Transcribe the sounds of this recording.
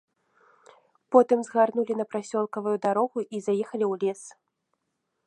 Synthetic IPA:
pɔt̪ɨmzɣarnulʲin̪ɐpɾasʲɔlˠkɐvujud̪aɾɔɣuʔizajɛxɐlʲiwlʲɛs

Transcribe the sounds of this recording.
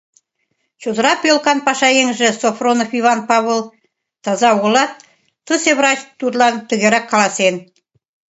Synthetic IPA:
t͡ɕud̪ə̆ɾɑpjolˠkɑnpɑʃɑjeŋʒɘ̆sofronofivɑnpɑβolˠ | t̪ɑzɑwɣŏlˠɑt̪̚ː | ɨseβɾɑt͡ɕt̪ud̪lˠɑnt̪ɵ̆ɣʲeɾɑkʰːɑlˠɑsen

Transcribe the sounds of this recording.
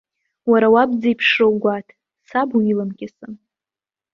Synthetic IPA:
waɾawabd͡zaipʰʂowɡʷatʰ | sabuilamkʲɪsɨn

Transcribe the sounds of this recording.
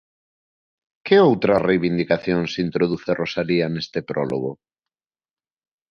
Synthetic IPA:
kɪowt̪ɾɐrejβind̪ikaθjoŋsint̪ɾoðuθerosalianest̪epɾɔlo̰ɣo

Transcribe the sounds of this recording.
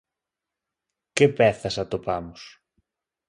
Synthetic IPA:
cepeθɐsɐt̪opɐmos

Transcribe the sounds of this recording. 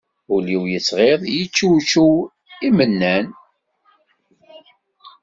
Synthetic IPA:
uliwjəsʁeðˤjət͡ʃːut͡ʃːu | imənːæn

